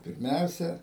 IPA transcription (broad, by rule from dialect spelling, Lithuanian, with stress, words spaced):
pʲɪrʲˈmʲɛʊsʲɛ